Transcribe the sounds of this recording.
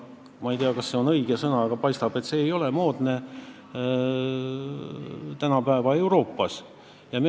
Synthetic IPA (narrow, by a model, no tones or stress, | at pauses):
mɑijt̪eɑkɑsːe̞o̞nɤ̞iɡ̥esɤnɑɡ̥ɑpɑjst̪ɑb̥e̞t̪se̞ːjo̞lemo̞ːd̪ne̞ | t̪ænɑpæevɑe̞wɾo̞ːpːˑɑs | jɑme